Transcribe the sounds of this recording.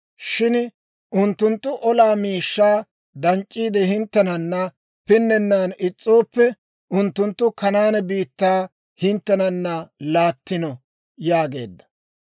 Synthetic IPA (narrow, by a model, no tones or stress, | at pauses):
ʃɪn | ʔʊnt̪ːʊnt̪ːʊʔɔlaːmiːʃːaː | d̪ɐnt͡ʃʼːiːd̪ɛhɪnt̪ːɛnɐnːɐ | pɪnːɛnːaːnɪt͡sʼːo̞ːpːɛ | ʊnt̪ːʊnt̪ːʊkɐnaːnɛbiːt̪ːaː | hɪnt̪ːɛnɐnːɐlaːt̪ːɪnɔ | jaːɡe̞ːd̪ːɐ̥